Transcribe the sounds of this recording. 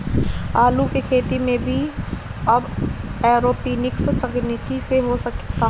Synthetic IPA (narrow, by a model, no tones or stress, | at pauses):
aːlukekʰeːt̪imẽbʱi | ɐbɛːɾoːpiːnɪkst̪ɐkniːkiseɦosɐkt̪aː